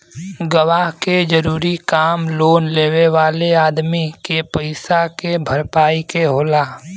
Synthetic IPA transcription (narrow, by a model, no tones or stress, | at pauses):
ɡəʋaːɦked͡ʒəɾuːɾikaːmloːnleːweʋaːleaːd̪mikepəɪsakebʱəɾpaːikeɦoːlaː